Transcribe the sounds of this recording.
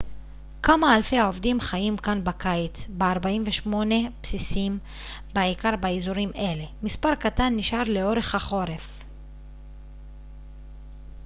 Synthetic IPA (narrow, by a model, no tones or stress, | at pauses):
kamaːlfe̞haovdimχajimkanbakajit͡sbeaʁbaimveʃmo̞ne̞psisim | baʕikaʁbaizuʁimʔe̞le̞mispaʁkat̪anːiʃaʁle̞o̞ʁe̞χhaχo̞ʁe̞f